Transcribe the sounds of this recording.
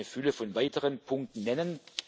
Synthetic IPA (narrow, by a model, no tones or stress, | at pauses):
nəfʏləfɔnvaɪtəʁənpʰʊŋk̚tn̩ːɛnən